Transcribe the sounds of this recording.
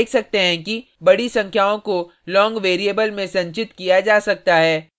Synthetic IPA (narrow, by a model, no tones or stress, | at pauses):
ksɐk̚t̪eɦɛ̃kibɐɽisɐ̃ŋkʰjaːõko | lɔ̃ːŋɡʋeːɾieːbəlmẽsɐ̃ɲt͡ʃɪt̪kijad͡ʒaːsɐk̚t̪aɦɛː